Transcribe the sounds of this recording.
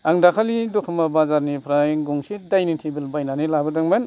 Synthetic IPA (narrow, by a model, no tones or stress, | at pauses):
aŋdakʰalidɔtʰɔmabazaɾnipʰɾajɡuŋsidajnintʰibilbajnanilabɯdɯŋmen